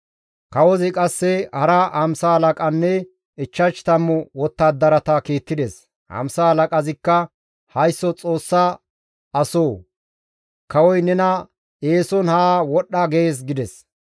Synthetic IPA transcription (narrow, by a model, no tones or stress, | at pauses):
kɐwɔzɪkʼɐsːɛhɐɾɐhɐmsalɐkʼɐnːɛ | ɪt͡ʃːɐt͡ʃt̪ɐmːʊwɔt̪ːaːd̪ːɐɾɐt̪ɐkiːt̪ːɪd̪ɛs | hɐ̰msahɐlɐkʼɐzɪkːɐ | hɐjsːɔt͡sʼo̞ːsːa | ɐsoː | kɐwɔjnɛnɐ | eːsɔnhaːwɔɗːɐɡeeːs̬ɡɪd̪ɛs